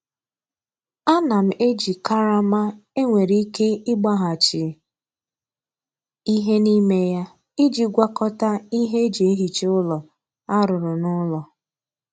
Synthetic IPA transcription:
a˦na˨m̩˨e˦d͡ʒi˨ka˦ɾa˦ma˦e˦ŋʷe˨ɾi˦i˦ke˦ɪ˦ɡ͡ba˦ɦa˨t͡ʃɪ˨ | i˦ɦe˦ni˦me˦ja˦ | ɪ˦d͡ʒi˨ɡʷa˦kɔ˦ta˦i˦ɦe˦d͡ʒi˨e˦ɦi˨t͡ʃe˦ʊ˦lɔ˨ | a˦ɾʊ˨ɾʊ˨nʊ˦lɔ˨

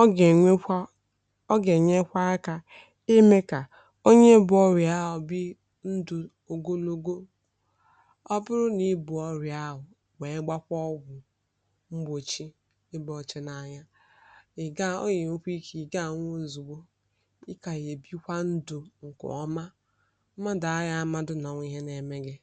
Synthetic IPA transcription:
e˨˦ | ɔ˦ɡe˨ɲe˦kʷa˦ka˨ | e˦me˦ka˨ | o˦ɲe˦bʊ˨ɔ˦ɾja˦ɦʊ˨bi˦ | n̩˦du˨ | o˨ɡo˦lo˦ɡo˦ | ɔ˦bʊ˦ɾʊ˦ni˨˦bʊ˨ɔ˦ɾja˦ɦʊ˨ | we˨˦ɡ͡ba˦kʷɔ˦ɡʷʊ˨ | ŋ͡m̩˦ɡ͡bo˨t͡ʃi˦ | ɪ˦bɔ˨t͡ʃe˦na˨ɲa˦ | ɪ˨ɡa˦o̰˦ɲe˨ŋ̩˦kʷi˦ki˨ɡa˦˨˦ŋʷo˦˨zu˨ɡ͡bo˦ | i˦ka˨je˨bi˦kʷa˦n̩˦du˨ŋ̩˨kʊ̰˨ɔ˦ma˦ | ma˦da˨a˦ja˦ma˦dʊ˦nɔ˨ŋʷ˦i˦ɦe˦ne˨me˦ɡɪ˦

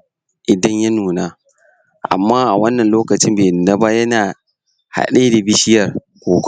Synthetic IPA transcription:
ʔɪ˨dɐ˦ɲjɐ˦nuː˨naː˦ | ʔa̰˨mːaː˦ʔa˨wɐ˦nːɐ˨nloː˦kɐ˨t͡ʃɪ˦mbeː˨nɐ˦ba˦jɐ˦naː˨ | ha̰˨ɗeː˦da˨bɪ˦ʃɪ˦jɐ˨r | kʷoː˨kʷ

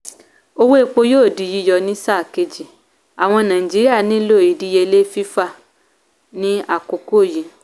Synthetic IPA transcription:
o˧wo˦e˦˧˨k͡po˧joː˦˨di˨˦ji˦jɔ˧nĩ˦sa˦˨ke˧d͡ʒi˨ | a˨w̃ɔ̃˧nãː˨ĩ˨d͡ʒi˦ɾi˦a˦˨nĩ˨˦lo˦˨i˨di˦je˧le˦fi˦fa˦˨ | nĩ˦a˦˨ko˨ko˦˨ji˨

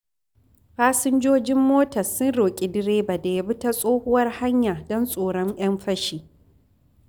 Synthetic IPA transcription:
ɸaː˦sɪ˦nd͡ʒoː˦d͡ʒɪ˦mːoː˦tɐ˨sʊ˦nɽoː˨kʲʼi˨dɪ˦ɾeː˦ba˨da˨ja˦bɪ˦ta˦sʼoː˦hʊ˦wɐ˦rha˦ɲjaː˨dɔ˦nsʼoː˨ɽɔ˦ɲj̰ɐ˦mɸɐ˦ʃiː˨

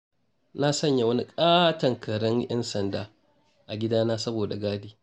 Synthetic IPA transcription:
na˦sɐ˦ɲja˨wɐ˦ni˦kʼaː˦tɐ˨ŋkʰɐ˨ɾɐ˦ŋjɐ̰˦nsɐ˨ndaː˦ | ʔa˨ɡʲɪ˦daː˦naː˦sɐ˦boː˨da˨ɡaː˦diː˦

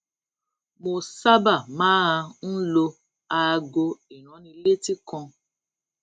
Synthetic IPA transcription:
mo˧sa˦ba˦˨mãː˦a˧n̩˦lo˧ | a˧ɡo˧i˨ɾ̃ɔ̃˨˦nĩ˧le˦ti˦kɔ̃˧

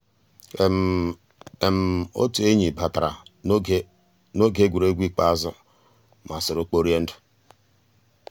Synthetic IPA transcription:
e˨m̩˨o̰˦tu˨˦e˦ɲi˨ba˨ta˨ɾa̰˨˦ | no˦ɡe˦ɡʷu˨ɾe˦ɡʷi˦k͡pa˦zʊ˦ | ma˨sɪ˨ɾʊ˨k͡po˦ɾi˦e˦n̩˦dʊ̥˨

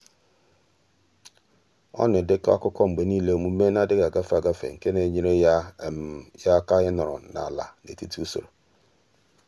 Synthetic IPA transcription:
ɔ̰˦nɪ˨dɪ˦ka˦a˦kʊ˦kʰɔ˦ŋ͡m̩˨ɡ͡be˨˦ni˦le˦˨mu˨me˦na˦dɪ˦ɡa˨ɡa˦fa˨ɡa˦fḛ˨ŋ̩˨ke˦ne˨ɲi˦ɾe˦ | ja˦ka˦jɪ˦nɔ˨ɾɔ̰˨na̰˨la̰˨nḛ˨ti˦tu˦u˦so̰˨ɾo˨

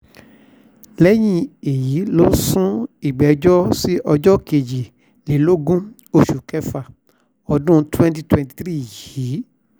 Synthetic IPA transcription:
lɛ˦j̃ĩ˦e˨ji˨˦lo˦sũ˦i˨ɡ͡bɛ˨˦d͡ʒɔ˦si˦ʔɔ˧d͡ʒɔ˦ke˨d͡ʒi˨ | le˨˦lo˦ɡũ˦ | o˧˨ʃu˨kɛ˦fa˨ | ɔ˧dũ˦twɛ̃˦nt̬i˧twɛ̃˧˨nti̥˨tɾi˦˨ji˨˦

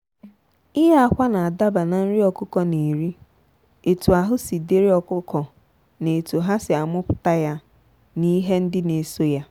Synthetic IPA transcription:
i˦ɦe˦a˨kʷa˦na˨a˨da˦ba˨na˨n̩˦ɾɪ˦ɔ˨kʊ˦kɔ˨ne˨ɾi˦ | e˨tu˨a˨ɦʊ˦si˨de˦ɾi˦ɔ˨kʊ˦kɔ˨ | ne˨tu˨ɦa˦sɪ˨a˨mʊ˦pʊ̥˨ta˦ja˦ | ni˦ɦe˦n̩˦dɪ˦ne˨so˦ja˦

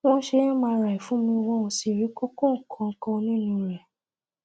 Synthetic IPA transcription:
ɔ̃˦ʃe˧jɛ̃˦mãː˧ɾa˨i˨fũ˦mĩ˧wɔ̃˦ũ˧si˨ɾi˨˦ko˦kõ˦˨ŋ̩˨kʰã˧ŋ̩˨kã˧nĩ˦˨nũ˧˦ɾɛ˨

